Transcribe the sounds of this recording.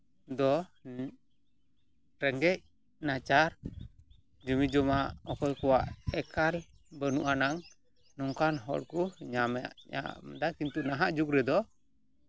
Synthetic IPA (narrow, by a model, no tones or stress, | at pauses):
d̪ɔ | ɾɛŋɡɛc̚ | nat͡ʃaɾ | d͡ʒumid͡ʒɔmaʔɔkɔjkɔwaʔɛkal | bənuʔanaŋ | nɔŋkanɦɔ̰ɽkuɲamɛa̰md̪akint̪uʔnaɦaʔd͡ʒukɾɛd̪ɔ